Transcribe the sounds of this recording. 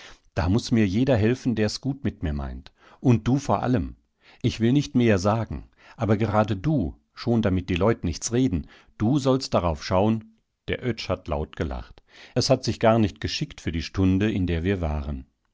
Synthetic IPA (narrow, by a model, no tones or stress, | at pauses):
d̥a̰ːmʊsmiːɐjeːdɐɦɛlfn̩deːɐɛsɡ̥uːtmɪtmiːɐma̰ɪnt | ʔʊnt̚d̥uːfoːɐʔa̰ləm | ʔɪçv̥ɪlnɪçtmeːɐzaːɡŋ̩ | ʔaːbɐɡəʁaːdəduː | ʃoːndamɪt̚d̥iːlɔʏtənɪçt͡sʁeːdn̩ | d̥uːzɔlst̚d̥aʁaʊfʃaʊən | d̥eːɐʔœt͡ʃhatla̰ʊtɡ̥əla̰χtʔɛshatz̥ɪçɡ̥aːɐnɪçt̚ɡ̥əʃɪktfyːɐdiːʃtʊndəɪndeːɐviːɐva̰ːʁən